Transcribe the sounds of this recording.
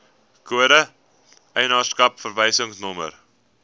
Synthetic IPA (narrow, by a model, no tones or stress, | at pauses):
kuəɾə | ʔɛjnɑːrskɐpfərvɛjsəŋsnɔmə̰r